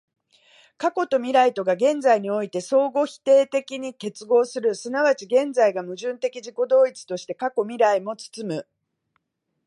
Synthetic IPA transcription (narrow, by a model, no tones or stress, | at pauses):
kako̞t̪o̞mʲiɾait̪o̞ɡaɡẽ̞nd͡zaiɲ̟io̞it̪e̞so̞ːɡo̞çi̥t̪e̞ːt̪e̞kʲiɲ̟ike̞t͡sɨɡo̞ːsɨɾɯ̟sɨnaβat͡ɕiɡẽ̞nd͡zaiɡamɯ̟ʑɨ̃nt̪e̞kʲiʑiko̞d̪o̞ːit͡sɨ̥t̪o̞ɕi̥t̪e̞kako̞mʲiɾaimo̞t͡sɨ̥t͡sɨmɯ̟